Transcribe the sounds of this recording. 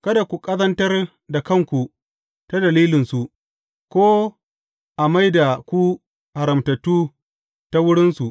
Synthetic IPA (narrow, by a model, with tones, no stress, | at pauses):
kɐ˦da˨kʷu˨kʼɐ˦zɐ˦ntɐ˦r | da˨kɐ˦ŋkʷu˨ | ta˦dɐ˨liː˦lɪ˨nsu˨ | kʷoː˦ | ʔa˨ma˦jda˨kʷu˦ | ha˨ɾɐ˨mtɐ˨tːuː˦ | ta˦wʊ˦ɽɪ˦nsu˨ʔ